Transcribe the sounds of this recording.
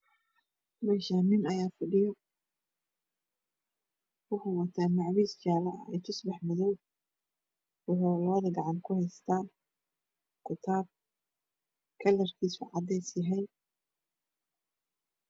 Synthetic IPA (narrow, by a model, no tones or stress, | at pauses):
mɛːʃanɪnɐjaːfɑɖɪjɔ | wʊħʊwɑt̪ʰaːmɑʕwiːst͡ʃaːlɐʔɛ̰jt̪ʰʊsbɑħmʊðɔw | wʊħʊlɐðɐɡɑʕɑnkʰʊhɛjst̪ʰaː | kʰʊt̪ʰaːb̚ | kʰɐlɐrk̪ʰiːsʊʕɑd̪ɛjsɪɦɛj